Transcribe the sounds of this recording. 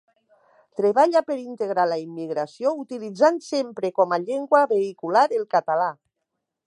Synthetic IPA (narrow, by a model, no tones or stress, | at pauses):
t̪ɾeβaʎapeɾint̪eɣ̞ɾalaimːiɣɾasiout̪ilid͡zansempɾekɔmaʎeŋɡwaβeikulaɾelˠkat̪ala